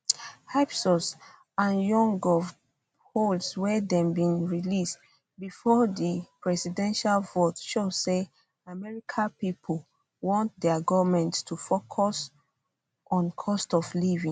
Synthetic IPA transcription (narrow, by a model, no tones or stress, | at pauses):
hapsɔs | ãnjɔ̃ŋɡɔv | holswɛdɛ̃mbĩnɹilist | bifɔdipɹɛsidɛ̃nʃalvotʃose | amɛɹikʰapipʰol | wɔ̃nt̚dɛɡɔvmɛ̃nttʰufokʰɔs | ʔɔ̃nkʰɔstɔvlivĩŋ